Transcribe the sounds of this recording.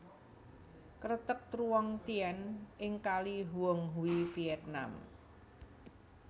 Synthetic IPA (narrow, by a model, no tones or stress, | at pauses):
kəɾət̪ək̚t̪ɾuwɔŋt̪iɛnʔɪŋkaliɦuɔŋɦuwifiɛt̪̚na̰m